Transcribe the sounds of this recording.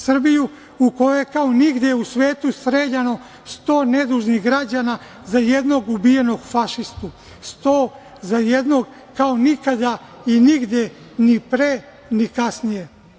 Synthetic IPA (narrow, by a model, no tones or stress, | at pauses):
sr̩biju | uko̞jojekaoniɡd̪jeusʋeːt̪usɾeːd͡ʑano̞ | st̪o̞ːned̪uʒniɦɡɾad͡ʑana | zajed̪no̞ɡubije̞no̞ɡfaʃist̪u | st̪oː | zajed̪no̞ɡ | kaonikad̪a | iniɡd̪je | nipɾe | nikasnije̞